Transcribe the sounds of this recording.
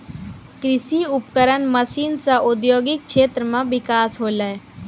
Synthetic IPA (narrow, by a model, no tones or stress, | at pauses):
kɾɪsiʊpkəɾənməsiːnsaʔʊd̪joːɡɪk̚ʃeːt̪ɾəmãʋɪkaːsɦoːlae